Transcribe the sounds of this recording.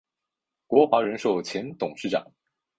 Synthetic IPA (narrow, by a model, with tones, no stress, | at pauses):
kwɔ˧˥xwa˧˥ɻə˧˥nʂo˥˩ʊt͡ɕʰjɛ˧˥nt̪ʊ˨˩ŋʂɻ̩˥˩ʈ͡ʂɑ̰˨˩˦ŋ